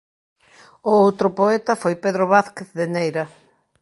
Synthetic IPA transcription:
ʊowt̪ɾʊpoɛt̪ɐfojpeðɾʊβaθkeθðenejɾɐ

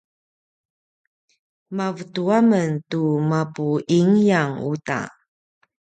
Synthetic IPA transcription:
mavətuaməntumapuʔiŋjaŋuta̰

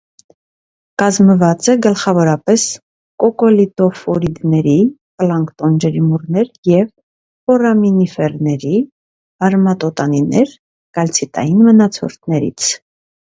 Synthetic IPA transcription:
kɑzməvɑt͡sɛɡəlχɑvɔɾɑpɛs | kɔkɔlit̪ɔfɔɾid̪nɛɾi | pəlɑŋkt̪ɔnd͡ʒɛɾimurnɛɾjɛv | pɔrɑminifɛrnɛɾi | ɑɾmɑt̪ɔt̪ɑninɛɾ | kɑlt͡sʰit̪ɑ̰jinmənɑt͡sʰɔ̰ɾt̪ʰnɛɾḭt͡sʰ

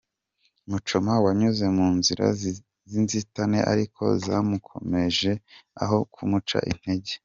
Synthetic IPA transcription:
mut͡ʃomawaɲuze̞muːnziɾa̰ | zinzitanḛʔa̰ɾikʰo̞̰zamukʰo̞̰me̞ʒe̞a̰ɦo̞kʰumut͡ʃa̰ʔḭn̥he̞ɟe

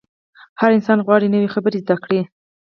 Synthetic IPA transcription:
haɾɪnsɑnɣwɑɽinəwexabəɾezd̪akɽi

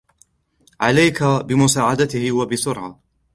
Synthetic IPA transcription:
ʕalajkabɪmʊsaːʕad̪at̪ɪhɪwabɪsʊɾʕa

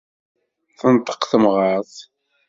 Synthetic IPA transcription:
θənt̪ˤːə̥qθəmʁəɾθ

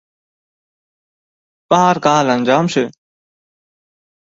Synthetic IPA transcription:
paːɾkaːlənʲd͡ʑaːmsɪ

